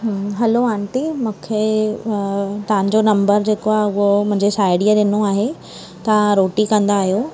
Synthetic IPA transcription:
ɦɦɐloãːɳʈimũːkʰe | t̪ɐʋ̤ãɲd͡ʑonɐ̃mbəɾd͡ʑeːkoaːɦeʊɦomʊ̃ɦɪ̃ɲd͡ʑesaːɪɖijaɗɪnoaːɦe | t̪ɐʋãɾoːʈikɐ̃nd̪aːɦjo

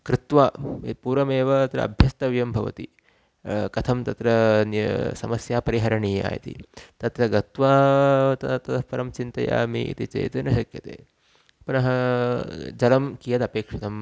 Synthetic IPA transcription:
kɾɪt̪ʋaːpuːɾɐmeːʋɐɐt̪ɾɐ̰ɐ̰bʱjɐst̪ɐʋijɐmbʱɐʋɐ̰t̪i | kɐt̪ʰɐmt̪ɐt̪ɾɐnsɐmɐsjaːpɐɾiɦɐɾɐɳiːa̰ːjt̪ḭt̪ɐt̪ɾɐɡɐt̪ʋaːt̪ɐt̪ɐt̪ɐpɐɾɐmt͡ʃint̪ɐja̰ːmḭḭt̪it͡ʃḛːt̪ɐnɐʃɐkjɐ̰t̪ḛː | pɐnɐɦɐ | d͡ʒɐlɐmkijɐt̪ɐpeːkʂɐt̪ɐm

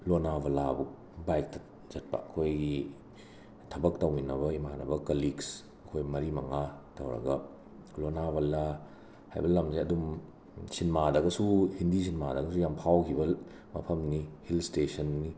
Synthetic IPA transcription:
lonabɐlabu | bajk̚tɐ̥ | zɐt̚pa̰ɐkʰojɡi | tʰɐbɐk̚tɐwminɐbɐimanɐ̰bɐkɐliks | ɐkʰojmɐɾimɐŋatɐwɾɐ̰ɡɐ | lonaβɐla | ha̰jbɐlɐmsiɐdum | sinmadɐɡɐsuhindis̬inmadɐɡɐs̬ujampʰawkʰibɐ | mɐ̰pʰɐmnihilstesɐnːi

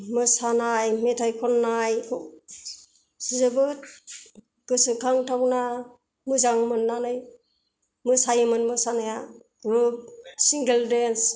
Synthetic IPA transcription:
mɯsanajmetʰajkʰɔnːajkʰɔ | sizɯbɯt̚ | ɡ̥ɯsɯkʰaŋtʰawna | mɯzaŋmɯnːanɯj | mɯsajmɯnmɯsanaja | ɡɾup̚siŋɡeldens

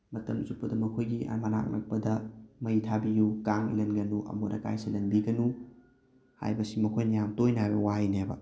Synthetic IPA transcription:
mɐtɐmsupɐdɐmɐkʰojɡiʔɐ̰mana̰k̚nɐ̰k̚pɐdɐmɐjtʰabijukaŋḭlɐnɡɐnuʔɐ̰mudɐka̰jsilɐnbiɡɐnu | ha̰jbɐsimɐkʰojnɐjamtojnɐhajbɐwajnabɐ̰

